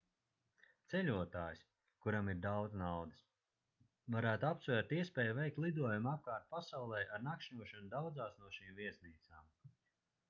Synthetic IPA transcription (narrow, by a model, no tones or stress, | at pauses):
t̪sɛʎʲuɔt̪aːjs | kuɾamiɾd̪awd̪znawd̪əs | vaɾæːt̪uapsvæɾt̪iɛspʲɛːjuvɛjk̚t̪lˠid̪uɔjumap̚kaːɾt̪̚pasawlˠɛjaɾnakʃɲuɔʃɔnud̪awd̪zaːsnuɔʃiːmviɛsniːt̪saːm